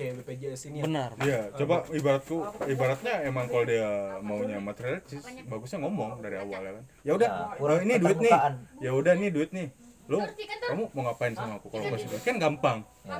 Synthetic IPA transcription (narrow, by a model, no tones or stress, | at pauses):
ped͡ʒasibənarijat͡ʃobaibaɾat̪̚kuibaɾat̪̚ɲaemaŋkalodiamauɲamat̪eɾialt͡ʃɪsbaɡusɲaŋɔmɔŋdaɾiawaljakanjaudahəiniduɪt̪̚nɪjaudahiniduɪt̪̚nɪh | lokamumoŋapaɪnsamaːkukalokasidakianɡampaŋ